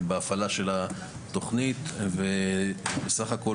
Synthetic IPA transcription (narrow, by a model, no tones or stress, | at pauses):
beafalaʃe̞la | t̪o̞χnit̪vebesaχako̞